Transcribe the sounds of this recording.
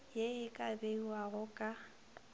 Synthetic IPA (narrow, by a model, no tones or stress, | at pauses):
jeɪkʼabeiwaɣʊkʼa